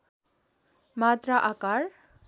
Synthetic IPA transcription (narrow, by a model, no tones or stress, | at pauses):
mat̪raʔakaɾ